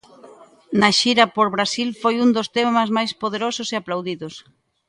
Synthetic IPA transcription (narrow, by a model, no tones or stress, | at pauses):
naʃiɾapoɾβɾasilfojund̪ost̪emɐzmajspoð̞eɾosʊseaplawðiðos